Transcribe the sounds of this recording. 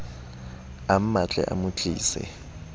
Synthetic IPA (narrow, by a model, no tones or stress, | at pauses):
am̩mat͡ɬʼɛ̰ʔa̰mut͡ɬʼḭːsɛ̰